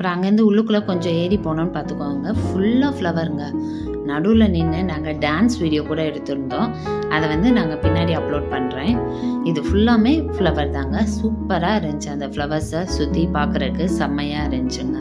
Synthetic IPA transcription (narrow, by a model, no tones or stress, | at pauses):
ɐɐpɾɔ̃ɐŋɡɐɾɯnd̪ɯʊɭːɯkːɯlɐkɔɲd͡ʒɔ̃eːɾipoːnõːnɯpaːɾt̪ɯkːoːɯŋɡɐfʊɭːaːflɐʋɐɾɯŋɡɐ | nɐɽulɐniŋɡɐnaːŋɡɐɖaːnsʋiːɽɪjoːkuːɽɐɛɽɯt̪ːɯɾɯnd̪õː | ɐðɐʋɐnd̪ɯnaːŋɡɐpɪnːaːɽiɐpɭoːɖ̚pɐɳːɾẽːɪðɯfʊɭːaːmeːfɭɐʋɐɾt̪aːŋɡɐsuːpːɐɾaːɪɾɐɲd͡ʒɯɐnd̪ɐfɭɐʋɐɾsasʊt̪ːipaːɾkɯɾɐɾɯkːɯsɐmɐjaːɪɾɐɲd͡ʒɯŋɡɐ